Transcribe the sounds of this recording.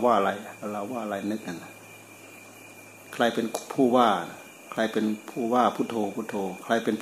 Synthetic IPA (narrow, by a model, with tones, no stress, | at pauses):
waː˧˩la˧jla˧la˧˩wwaː˥˩˨la˧˩jnɯ˧˥k̚ha˨n˧ | kʰaː˧˩jpe˨npʰuː˧˩waː˥˩a˨n | kʰlaː˧˩jpe˨npʰuː˧˩waː˧˥˩pʰu˧˥˨t̪ʰoː˧pʰu˧˥˩t̪ʰoː˧kʰaː˧˩jpe˨np